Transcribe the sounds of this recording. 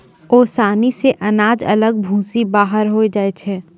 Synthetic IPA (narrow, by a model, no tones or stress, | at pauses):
oːsaːniseʔɐnaːd͡ʒɐ̰ləɡ̚bʱũːsibaːɦəɾɦoed͡ʒaːet͡ʃʰɛː